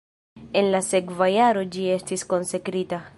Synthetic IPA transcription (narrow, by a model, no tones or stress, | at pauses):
enlasekvajaɾod͡ʒiest̪isko̞nsekɾita